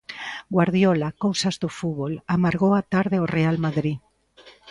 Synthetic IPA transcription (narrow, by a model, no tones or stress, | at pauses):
ɡwaɾðjɔlakowsazðofuβolamaɾɣowat̪aɾðɪorealmaðɾi